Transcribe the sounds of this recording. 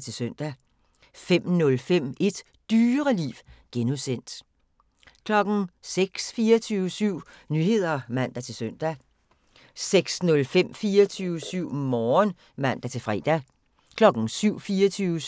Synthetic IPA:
t͡sʰe̝lsøn̰d̥æ | fem̰nɔ̽lfem̰e̝d̥ | d̥yːɐʁɐlḭːʋɡ̥enusen̰d̥ | kʰlɒ̽ɡ̥n̩seɡ̥sfiːɐt͡sʰyːʊəsyʊ̰nyhe̝ð̞̰ˠɐmæn̰d̥æt͡sʰe̝lsøn̰d̥æ | seɡ̥snɔ̽lfem̰fiːɐt͡sʰyʊəsyʊ̰mɒːn | mæn̰d̥æt͡sʰe̝lfʁɛ̰d̥æ | kʰlɒ̽ɡ̥n̩syʊ̰fiːɐt͡sʰyːʊə

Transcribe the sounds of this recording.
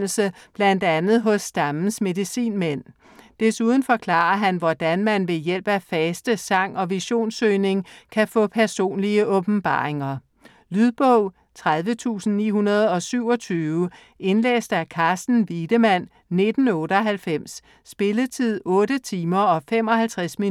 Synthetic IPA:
l̩səb̥læn̰d̥ænð̞̩ˠɦɔ̽sːd̥ɑmn̩sme̝ðˠisḭːnmen̰ | d̥esuð̞ˠn̩fɒ̽kʰlɑ̰̈ɐɦænʋɒd̥ænmænʋe̝jel̰b̥æfɛsd̥əsɑ̈ŋ̰ɒ̽ʋiɕo̝̰ːnsøːɪne̝ŋkʰæfɔ̰̽ːpʰæɐso̝̰ːnliəʔɔ̽b̥m̩b̥ɑ̰̈ːʁe̝ŋɐ | lyðˠb̥ɔʊ̰ | t͡sʰʁaðˠʋət͡sʰṵːsn̩nḭːɦunɐð̞ˠɒ̽syʊ̰ɒ̽t͡sʰyːʊə | e̝nlḛːsd̥ækʰɑ̈ːsd̥n̩ʋid̥əmæn̰ː | e̝d̥n̩ɔ̽ːɾəɒ̽ɦælfem̰sː | b̥e̝lət͡sʰið̰ˠɔ̽ːɾət͡sʰiːmɐɒ̽fem̰ɒ̽hælt͡sʰʁasmi

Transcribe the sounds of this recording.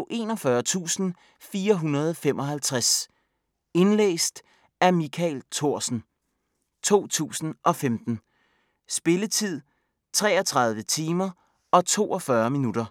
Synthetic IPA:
ʔe̝̰nɒ̽fɶɐt͡sʰṵːsn̩ | fiːɐɦunɐð̞ˠfem̰ʔɒ̽ɦælt͡sʰʁas | e̝nlḛːsd̥ | æmikʰæɪlt͡sʰo̝ɐ̰sn̩ | t͡sʰo̝̰ːt͡sʰṵːsn̩ʔɒ̽femd̥n̩ | sb̥e̝lət͡sʰið̞̰ˠ | t͡sʰʁɛ̰ːɒt͡sʰʁɑ̈ð̞ˠʋət͡sʰiːmɐ | ɒ̽t͡sʰo̝̰ːʔɒfɶɐminud̥ɐ

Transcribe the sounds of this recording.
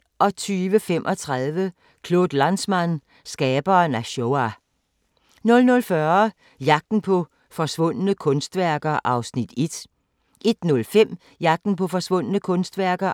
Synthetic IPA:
ʔɒ̽t͡sʰyːʋəfem̰ʔɒ̽t͡sʰʁaðˠʋə | kʰlo̝ð̥lænsmæn | sɡ̥ɛːb̥ɐːnæɕoæ | nɔ̽lnɔ̽lfɶɐ | jɑ̈ɡ̥̚d̥n̩pʰɒ̽ | fɒ̽sʋɔ̽n̰ənəkʰɔ̽nsd̥ʋæɐ̰ɡ̥ɐʔɑ̈ʊsnid̥e̝d̥ | ʔe̝d̥nɔ̽lfem̰ | jɑ̈ɡ̥̚d̥n̩pʰɒ̽fɒ̽sʋɔ̽n̰ənəkʰɔ̽nsd̥ʋæɐ̰ɡ̥ɐ

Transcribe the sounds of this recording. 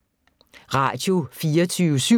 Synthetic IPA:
ʁɑ̰̈d̥jo̝fiːɐt͡sʰyːʋəsy

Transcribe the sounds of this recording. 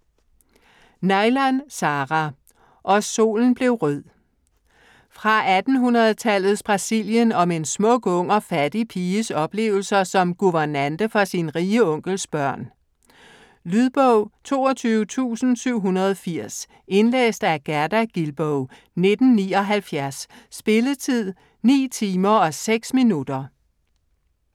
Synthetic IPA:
nɑ̈ɪlænsɑːʁɑ | ʔɒ̽so̝̰ːln̩b̥le̝ʊʁœð̰ˠ | fʁɑ̈ʔæd̥n̩ɦunɐð̩ˠt͡sʰælð̩ˠsb̥ʁɑ̈siljənɒ̽me̝nsmɔ̽ɡ̥ɔ̽ŋ̰ɒfæd̥ipʰiːəsɒ̽b̥le̝̰ːʊl̩sɐsɒ̽mɡ̥uʋɐnænd̥əfɒ̽sinʁiːəɔ̽ŋ̰ɡ̥lsb̥ɶɐ̰n | lyðˠb̥ɔʊ̰t͡sʰo̝ːɒt͡sʰyːʊət͡sʰṵːsn̩syʊ̰ɦunɐð̞ˠfiɐ̰s | e̝nlḛːsd̥æɐɡ̥æɐd̥æɡ̥ilb̥ɔʊ | ne̝d̥n̩nḭːɒ̽ɦælfjæɐsːb̥e̝lət͡sʰið̰ˠ | nḭːt͡sʰiːmɐɒ̽seɡ̥sminud̥ɐ

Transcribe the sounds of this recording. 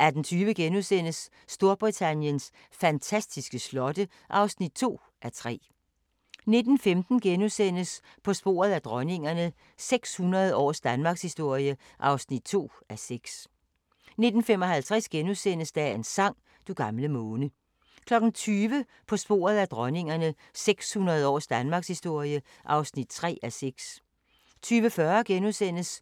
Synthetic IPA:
ʔæɐd̥ent͡sʰyːʋəɡ̥enusen̰əsː | d̥o̝ɐb̥ʁit͡sʰænjəns | fænt͡sʰæsd̥isɡ̥əslɒ̽də | ʔɑ̈ʊsnid̥̚t͡sʰo̝̰ː | ʔæt͡sʰʁɛ̰ː | ne̝d̥n̩femd̥n̩ɡ̥enusen̰əs | pʰɒ̽sb̥o̝̰ːɐð̞ˠæd̥ʁɶne̝ŋɐnə | seɡ̥shunʁɐð̞ˠɒ̰ːsd̥ænmɑ̈ːɡ̥shisd̥o̝ɐ̰ijə | ʔɑ̈ʊsnid̥̚t͡sʰo̝̰ː | æseɡ̥s | ne̝d̥n̩femɒ̽ɦælt͡sʰʁɛsɡ̥enusen̰əsd̥æe̝nsɑ̈ŋ̰ | d̥uɡ̥ɑ̈mləmɔːnə | kʰlɒ̽ɡ̥n̩t͡sʰyːʋə | pʰɒ̽sb̥o̝̰ːɐð̞̩ˠæd̥ʁɒne̝ŋɐnə | seɡ̥shunɐð̞̩ˠɒ̰ːsd̥ænmɑ̈ːɡ̥shisd̥o̝ɐ̰jə | ʔɑ̈ʊsnid̥̚t͡sʰʁɛ̰ːæseɡ̥s | t͡sʰyːʋəfɶɐɡ̥enusen̰əs

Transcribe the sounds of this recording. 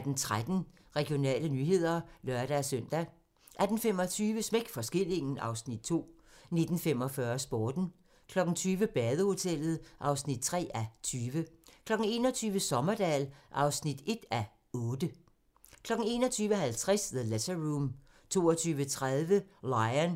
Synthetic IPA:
d̥n̩t͡sʰʁad̥n̩ | ʁɛɡ̥ijo̝nɛ̰ːlənyːɦe̝ð̞̰ˠɐlɶɐɾ̥æsøn̰d̥æ | ʔæd̥n̩fem̰ɒt͡sʰyːʋəsmeɡ̥fɒ̽sɡ̥e̝l̰e̝ŋn̩ʔɑ̈ʊsnid̥̚t͡sʰo̝̰ː | ne̝d̥n̩fem̰ɒ̽fɶɐsb̥oːd̥n̩ | kʰlɒ̽ɡ̥n̩t͡sʰyːʋəb̥ɛːðˠəho̝t͡sʰel̰ð̩ˠʔɑ̈ʊsnid̥̚t͡sʰʁɛ̰ːæt͡sʰyːʋəkʰlɒ̽ɡ̥n̩e̝̰ːnɒ̽t͡sʰyːʋəsɒ̽mɐd̥ɛ̰ːlʔɑ̈ʊsnid̥e̝d̥æ | ɔ̽ːd̥ə | kʰlɒ̽ɡ̥n̩e̝̰ːnɒ̽t͡sʰyːʋəɦælt͡sʰʁɛsðəlæsɐʁuːm | t͡sʰo̝̰ːɒt͡sʰyːʋət͡sʰʁaðˠʋəlɑ̈ɪɐn

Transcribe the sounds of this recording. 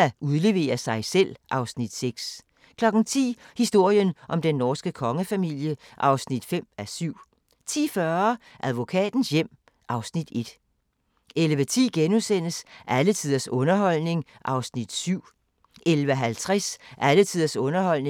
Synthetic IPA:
æuðˠle̝ʋe̝̰ːɐsɑ̈ɪsel̰ʔɑ̈ʊsnid̥seɡ̥s | kʰlɒ̽ɡ̥n̩t͡sʰḭːhisd̥o̝ɐ̰jənʔɒ̽md̥enːɒːsɡ̥əkʰɒ̽ŋəfæmil̰jəʔɑ̈ʊsnid̥fem̰æsyʊ̰ | t͡sʰḭːfɶɐ | ʔæðˠʋo̝kʰɛ̰ːd̥n̩sjem̰ | ʔɑ̈ʊsnid̥e̝d̥ | elʋət͡sʰḭːɡ̥enusenəsʔælət͡sʰið̰ˠɐsɔ̽nɐɦɒ̽l̰ne̝ŋʔɑ̈ʊsnid̥syʊ̰ | elʋəɦælt͡sʰʁasʔælət͡sʰið̰ˠɐsɔ̽nɐhɒ̽l̰ne

